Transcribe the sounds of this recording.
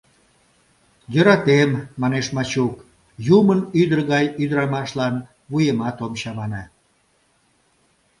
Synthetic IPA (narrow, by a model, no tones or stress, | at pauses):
jøɾɑt̪emːɑneʃmɑt͡ɕuk | jumənyd̪ərɣɑjyd̪əɾɑmɑʃlɑn | βujemɑt̪omɕɑmɑnɑ